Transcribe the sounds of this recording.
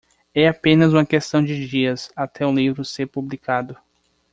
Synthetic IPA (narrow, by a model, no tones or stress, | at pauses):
ɛapẽnɐzũmɐkest̪ɐ̃w̃d͡ʒɪd͡ʒiɐzat̪ʰɛũlivɾʊseɾpublikad̪ʊ